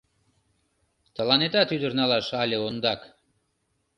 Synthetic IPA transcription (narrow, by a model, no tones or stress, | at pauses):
t̪ə̆lɑnet̪ɑt̪yd̪ərnɑlɑʃɑlʲeond̪ɑk